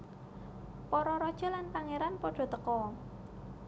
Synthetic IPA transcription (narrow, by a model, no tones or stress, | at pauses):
pɔɾɔɾɔd̥ʒ̥ɔ̤lanpaŋeɾanpɔɖ̥ɔ̤t̪əkɔ